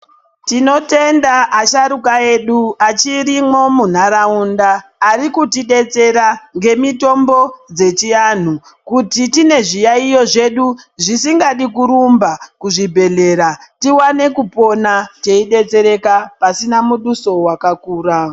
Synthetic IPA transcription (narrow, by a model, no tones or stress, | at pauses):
tino̞te̞ndaʔːʃaɾukae̞ɗuat͡ʃiɾimo̞mun̤aɾaundaːɾikutiɗe̞t͡se̞ɾaŋɡe̞mito̞mbo̞d͡ze̞t͡ʃian̤u | kutitine̞ʐijaijo̞ʐe̞ɗuʐisiŋɡaɗikuɾumbakuʐibʱe̞ɮe̞ɾatiwane̞kupo̞nat͡ʃe̞iɗe̞t͡se̞ɾe̞kapasinamuɗuso̞wakakuːra